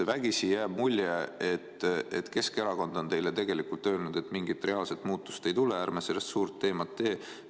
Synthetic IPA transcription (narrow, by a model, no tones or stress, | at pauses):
evæɡ̥isijæːb̥mulʲjeet̪ːḛt̪ke̞ske̞ɾɑko̞nd̪o̞nt̪e̞jlet̪e̞ɡ̥e̞likult̪ˑːø̞ːlnud̪̥e̞t̪ːˑmiŋɡit̪ːˑre̞ɑːlset̪ːˑmuːt̪ˑːu̥st̪e̞jt̪uleæːrmese̞lːest̪suːrt̪ːe̞ːmɑt̪ːe̞ː